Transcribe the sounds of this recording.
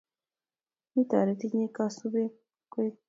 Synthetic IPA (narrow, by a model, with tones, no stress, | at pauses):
ni˦ta̰˨ɾe˨˦ti˦ɲe˦ka˦su˦βe˦ | kwe˦